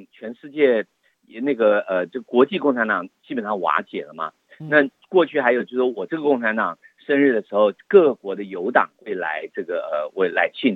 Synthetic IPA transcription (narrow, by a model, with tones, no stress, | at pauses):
t͡ɕʰɥɛ˧˥nʂɻ̩˥˧t͡ɕjɛ˥˩˧ | na˥˩ɡə˩ə˩ʈ͡ʂɤ˥˩ɡə˩kwɔ˧˥t͡ɕi˥˧kʊ˥˩ŋʈ͡ʂʰa˧˥nt̪ɑ˨˩ŋt͡ɕi˥pə˨˩nʂɑ˥˩ŋwa̰˧˥t͡ɕjɛ̰˨˩lə˦mɐ̰˩ | na˥˧ | kwɔ˥˧t͡ɕʰy˥˩xa˧˥ɪjo˨˩ʊt͡ɕjo˥˩ʂwɔ˥wɔ˨˩ʈ͡ʂɤ˥˩ɡə˩kʊ˥˩ŋʈ͡ʂʰa˧˥nt̪ɑ˨˩ŋ | ʂə˥nɻ̩˥˩d̪ə˩ʂɻ̩˧˥xo˧ʊkɤ˥˩kwɔ˧˥d̪ə˧jo˧˥ʊt̪ɑ̰˨˩ŋxwe˥˩ɪla̰˧˥ɪʈ͡ʂɤ˥˩ɡə˩ə˩we˥˩ɪla̰˧˥ɪt͡ɕʰi˥˩n